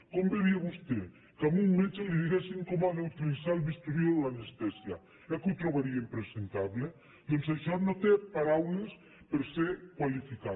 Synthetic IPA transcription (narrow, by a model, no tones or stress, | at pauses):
kombeβiaβust̪e | kamuŋmet͡ʃaliðiɣesiŋkomaðeut̪ilisaelβist̪uɾioðelanest̪ɛsja | ɛkut̪ɾoβaɾiaimpɾesent̪aβle | d̪onsajʃaɾnot̪epaɾawles | peɾsekwalifika